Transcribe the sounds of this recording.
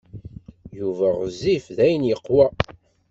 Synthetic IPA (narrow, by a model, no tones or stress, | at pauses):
juvæʁəzːifðæjənjəqːwæ